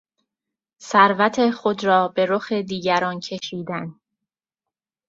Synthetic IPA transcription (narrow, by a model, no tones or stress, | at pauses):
sæɾvæt̪ʰexo̞d̪ɾɒːbe̞ɾoxed̪iːɟæɾɒːncʰe̞ʃiːd̪æn